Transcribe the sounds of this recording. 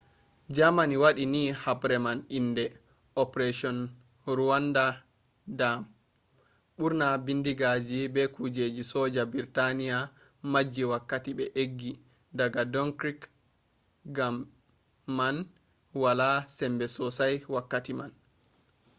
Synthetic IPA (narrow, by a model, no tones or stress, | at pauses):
d͡ʒamaniwaɗinihabɾɛmanindɛ | ɔpɾeʃiɔn | ɾuwanda | dam | ɓuɾnabindiɡad͡ʒibɛkud͡ʒed͡ʒisɔd͡ʒabiɾtanija | mad͡ʒːiwakːatiɓɛʔeɡːi | daɡadɔŋkɾik | ɡamː | an | walasɛmbɛsɔsajwakːatiman